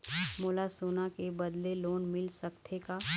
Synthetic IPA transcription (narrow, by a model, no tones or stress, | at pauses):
mʊːlasoːnakebɐd̪leloːnmɪlsɐkt̪ʰeka